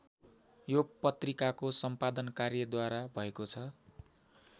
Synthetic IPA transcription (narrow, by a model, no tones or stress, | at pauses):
jopʌt̪rikakosʌmpad̪ʌnkarjʌd̪waɾabʱʌekot͡sʰʌ